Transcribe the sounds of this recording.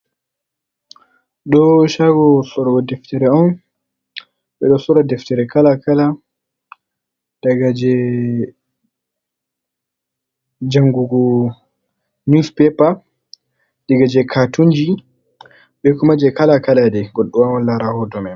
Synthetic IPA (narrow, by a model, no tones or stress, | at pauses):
ɗɔʃaɡɔsɔɾɔɡɔdɛftɛɾɛɔn | ɓɛɗɔsɔɾɔdɛftɛɾɛkalakala | d̥aɡad͡ʒɛ | d͡ʒaŋɡuɡɔ | nuspɛpa | dɛɡad͡ʒɛkʰatuɲd͡ʒi | ɓɛkumad͡ʒɛkalakaladɛɡɔɗɔwawanlaɾahɔdɔmɛ